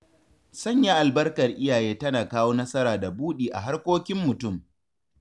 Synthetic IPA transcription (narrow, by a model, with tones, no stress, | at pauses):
sɐ˦˨ɲjaː˦ʔa˨lbɐ˦rkɐ˨rʔɪ˦jaː˨jeː˦tɐ˦naː˨kaː˦woː˦nɐ˦sɐ˦ɾaː˨da˨buː˦ɗiː˨ʔa̰˨ɦa˦rkʷoː˦kʲɪ˦mːʊ˨tʊ˦˨m